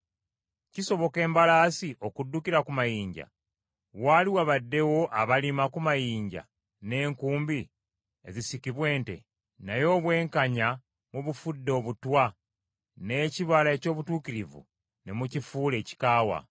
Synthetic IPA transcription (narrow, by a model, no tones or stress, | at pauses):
ciso̞βo̞ke̞ːmbalaːsiʔo̞kudːukiɾakumajiːɲɟa̰ | waːliwaβadːe̞wo̞ʔaβalimakumajiːɲɟa̰ | ne̞ːŋkuːmbi | ezisikiβwe̞ːnte̞̰ | najo̞ːβwe̞ːŋkaɲa | muβufudːo̞βutwa | ne̞ciβalae̞co̞ːβutuːkiɾivṵ | nemucifuːle̞ːci̥kaːwa̰